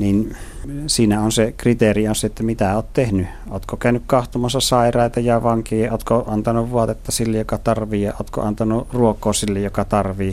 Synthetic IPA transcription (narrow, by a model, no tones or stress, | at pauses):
ninsiːnæonsekrit̪erionseet̪ːæmit̪æoːt̪t̪ehny | o̰ːt̪kokæˑynykkɑht̪omɑsːɑsɑˑerɑˑit̪ɑjɑʋɑŋkeːoːt̪koɑnt̪ɑnuʋʋuɑt̪et̪ːɑsilːejjokɑt̪ɑrʋiːjɑʔoːt̪ko̰ʔɑnt̪ɑnuruokːˑoːsilːejjokɑt̪ɑrʋiː